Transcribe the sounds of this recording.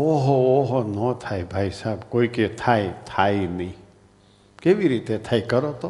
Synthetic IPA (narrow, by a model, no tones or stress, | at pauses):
oɦooɦonɔt̪ʰajbʱaisaːbkoiket̪ʰaet̪ʰainəĩ | keʋiɾit̪et̪ʰajkəɾot̪o